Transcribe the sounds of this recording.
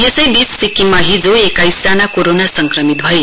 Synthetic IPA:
jesəjd̪isːikimaɦid͡zoekajsd͡zanakoɾonasəŋkɾəmit̪̚bʱʌe

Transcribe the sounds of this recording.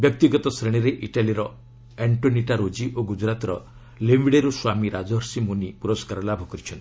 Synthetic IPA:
bjɔk̚t̪iɡɔt̪ɔsɾeɽ̃iɾeʔiʈaliɾɔ | eɳʈoniʈaɾod͡ʒiʔoɡud͡ʒɾat̪ɾɔ̰ | lemiɽeɾuswamiɾad͡ʒɔɦɾsimunipuɾɔskaɾɔlabʱɔkɔɾit͡ʃʰɔnt̪i̥

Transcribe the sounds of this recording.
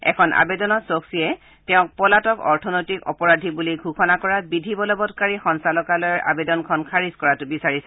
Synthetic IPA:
ɛ̰kʰɔnʔa̰bedɔnɔtsoksiɛ | tɛʊ̃k̚pɔlatɔkɔ̰ɹtʰɔnojtikɔ̰pɔɹadʱibuliɡʱuxʰɔnakɔɹabidʱibɔlɔbɔtkaɹixɔnsalɔkalɔjɔɹʔa̰bedɔnkʰɔnkʰaɹiskɔɹatʊbisaɹisɛ

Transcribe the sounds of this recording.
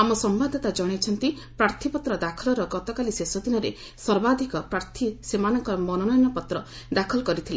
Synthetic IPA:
amɔsɔmbad̪ʱɔt̪ad͡ʒɔɽ̃et͡ʃʰɔnt̪i | pɾaɾt̪ʰipɔt̪ɾɔd̪akʰɔlɔɾɔɡɔt̪ɔkalisesɔd̪inɔɾḛ | sɔɾbad̪ʱikɔpɾaɾt̪ʰisemanɔŋkɔɾmɔnɔnɔjɔnɔpɔt̪ɾɔ | d̪akʰɔlɔkɔɾit̪ʰile

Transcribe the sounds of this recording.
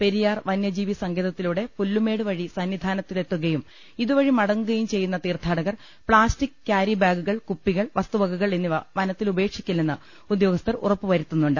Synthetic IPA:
pe̞ɾijaːrʋɐnjɐd͡ʑiːʋisɐŋɡeðɐt̪ːiluːɽe̞pulːume̞ːɽɨʋɐɻisɐnʋid̪ʱaːnɐt̪ːilet̪ːuɣɐjum | iðuʋɐɻimɐɽɐŋːuɣɐjumt͡ɕe̞jːunːɐt̪iːrt̪ʰaːɽɐɣɐr | pɭaːstikːaːɾibaːɡuɣɐɭkupːiɣɐɭʋɐst̪uʋɐɡuɣɐɭenːiʋɐnɐt̪ːilube̞ːkʂikʲːɐlnenːɨ | ud̪jo̞ːɡɐst̪ɐrṵrɐpːɨʋɐɾit̪ːunːuɳɖɨ

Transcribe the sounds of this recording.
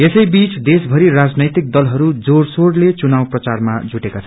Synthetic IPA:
esʌjbit͡sd̪esbʱʌɾirad͡znʌjt̪ik̚d̪ʌlɦʌɾud͡zoɽsoɽlet͡sunawprʌt͡sarma̰d͡zuʈekat͡sʰʌn

